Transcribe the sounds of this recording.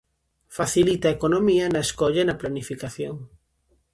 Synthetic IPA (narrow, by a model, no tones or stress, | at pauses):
faθilit̪ɐekonomiɐnɐeskɔʎɐnɐplanifikaθjoŋ